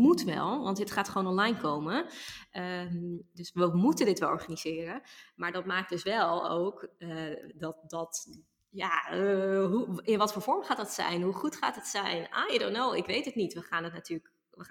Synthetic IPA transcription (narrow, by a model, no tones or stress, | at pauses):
mutʋɛ̰lˠʋɑntətχaːtχəʋoːnɔnlajnkowməədɵsʋəmutəndɪtʋɛlˠʔɔ̰ɹχaːniz̥ɪːrənmaːɹdɑt̚maːk̚d̥øsʋɛlˠo̰wkədɔt̚dɔt | ja | ɦuɪnʋɑtfoːɹvɔɹmχaːtdɑtsɛ̰jnɦuχutχa̰ːtɦətsɛjnʔaːjədonowɪkʋejtətnitʋəχaːnətnatyːlək | ʋə